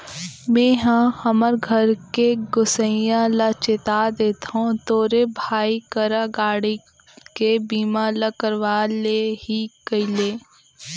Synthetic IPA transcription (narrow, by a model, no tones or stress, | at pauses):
mẽːɦãhɐməɾɡʱəɾkeɡʊsə̃jãlɐt͡ʃɪt̪ad̪eːt̪aɦõt̪oːɾebʱaːikəɾaɡaːɽi | kebiːmalɐkəɾʋaːlehikəileː